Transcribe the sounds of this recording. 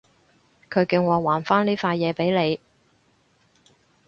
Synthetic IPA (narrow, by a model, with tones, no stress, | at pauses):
kʰɵ˨˧ɥkɪ˨˧ŋwɔː˨˧waː˨˩nfaː˥nliː˥faː˧jɛː˨˧pe˨˥jle˨˧j